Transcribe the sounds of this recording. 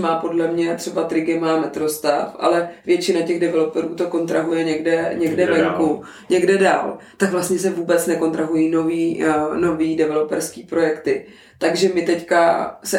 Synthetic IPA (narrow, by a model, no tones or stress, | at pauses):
maːpo̞dlɛmɲɛt̪r̥ɛbat̪ɾɪɡɪmaːmɛt̪ɾo̞st̪a̰fʔa̰lɛvjɛt͡ʃɪnacɛɣdɛvɛlo̞pɛɾuːt̪o̞ko̞nt̪ɾaɦujɛɲɛɡdɛɲɛɡdɛvɛŋku | ɲɛɡdɛda̰ːlt̪akvlast̪ɲɛs̬ɛvuːbɛt͡snɛko̞nt̪ɾaɦujiːno̞viːno̞viːdɛvɛlopɛɾskiːpɾo̞jɛkt̪ɪ | t̪aɡʒɛmɪt̪ɛckasɛ